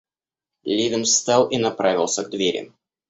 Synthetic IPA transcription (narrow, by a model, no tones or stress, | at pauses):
lʲivʲɪnst̪ɑlˠinɐpɾavʲɪlˠsʲəɡ̚d̪vʲeɾʲɪ̰